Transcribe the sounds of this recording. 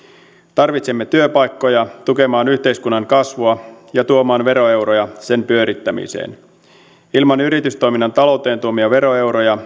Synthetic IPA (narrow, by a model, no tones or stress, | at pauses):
t̪ɑrʋit̪semːe̞t̪yøpɑjkːo̞jɑt̪uke̞mɑːnyçt̪e̞jskunːɑŋkɑsʋuɑjɑt̪uomɑːnʋe̞ɾo̞e̞wɾojɑse̞mpyø̞ɾit̪ːæmḭsḛːn | ilmɑnyɾit̪yst̪o̞jminːɑnt̪ɑlo̞wt̪e̞ːnt̪uomiɑʋe̞ɾo̞e̞wɾojɑ